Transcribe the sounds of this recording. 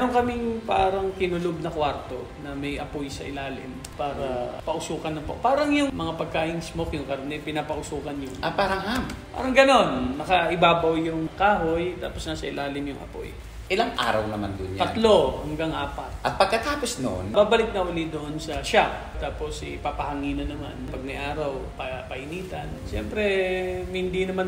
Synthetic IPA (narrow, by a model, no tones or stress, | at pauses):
mɛɾoŋkɐmɪŋpaːɾɐŋkɪnʊlʊb̚nɐkwaɾt̪o̞̰nɐmɐjʔɐpojsɐʔɪlaːlɪ̰m | paːɾɐpɐʔʊsuːkɐnːɐmpopaːɾɐŋjʊŋmɐŋapɐɡ̚kaːʔɪŋsmokjʊŋkɐɾonɛpɪnaːpɐʔʊsuːkɐnjʊŋʔɐpaːɾɐhampa̰ːɾɐŋɡɐno̞nːɐkɐʔɪbaːbɐwjʊŋkaːɦojt̪a̰ːposnɐsɐɪlʔaːlɪmjʊŋʔɐ̰po̰j | ʔɪlaŋʔa̰ːɾɐ̰wnɐma̰nd̪ʊnjp̪ɐlo̞hɐŋɡaŋʔaːpɐt̪̚ʔɐt̪̚pɐɡ̚kɐt̪aːposno̰ʔonbaːbɐlɪk̪̚nɐʔʊlid̪oʔonsɐʃap | t̪aːpo̞sɪpapɐhɐŋiːnɐnɐma̰npɐɡ̚mɐjʔaːɾɐwpɐpɐhɪniːt̪ɐnʃɛ̰mpɾɛhɪnd̪inɐman